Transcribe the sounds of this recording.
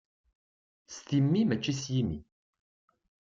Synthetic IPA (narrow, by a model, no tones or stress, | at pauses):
st̪imːimæt͡ʃːisjimḭ